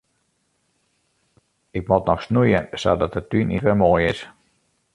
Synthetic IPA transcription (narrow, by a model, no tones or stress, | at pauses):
ɪk̚mɔtnɔxsnujənsa̰dɔtət̚ynitʋɛmoːjɪs